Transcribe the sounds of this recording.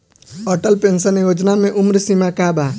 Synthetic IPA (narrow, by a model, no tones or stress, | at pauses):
əʈəlpẽːnsənjoːd͡ʒnamẽʔʊmɾsimakabaː